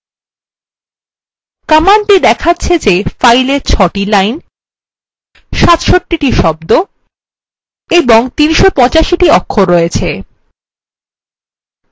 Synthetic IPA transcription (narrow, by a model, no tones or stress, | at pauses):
kamanʈid̪ɛkʰatːɕʰed͡ʑefajleɾt͡ɕʰɔʈilajn | ʃat̪ʃoʈːiʈiʃɔbd̪o | eboŋt̪inʃopɔ̃t͡ɕaʃiʈiɔkʰːoɾɔet͡ɕʰe